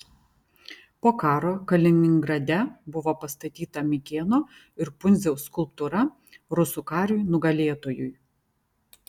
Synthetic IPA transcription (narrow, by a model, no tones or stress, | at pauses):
poːkɑːɾoːkɐlʲɪnʲɪŋɡɾɐd̪ʲɛbʊʋoːpɐst̪ɐt̪ʲiːt̪ɐmʲɪkʲeːnoː | ɪɾpʊnʲzʲɛʊskʊlˠp̚t̪ʊɾɐ | ɾʊsuːkɑːɾʲuːjnʊɡɐlʲeːt̪oːjʊj